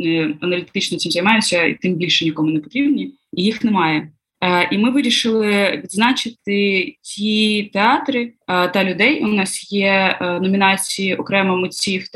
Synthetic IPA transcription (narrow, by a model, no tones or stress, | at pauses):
nɪɐnɐlʲit̪ɪt͡ʃnɔt͡sʲimzɐjmɑjʊt͡sʲɐḭt̪ɪmbʲilʲʃɛnʲikɔmʊnɛpɔt̪ɾʲibnʲi | ijixnɛmɑjɛ | ʔimɪʋɪɾʲiʃɪlˠɪʋʲid̪znɑt͡ʃɪt̪̚ɪt͡sʲit̪eɑt̪ɾɪt̪ɐlʲʊd̪ɛjnɑsjɛnɔmʲinɑt͡sʲijiʔɔkɾɛmɔmʊt͡sʲiw̪